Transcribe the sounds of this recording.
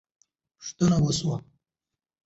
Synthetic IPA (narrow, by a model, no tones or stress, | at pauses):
ʂt̪ənawəswa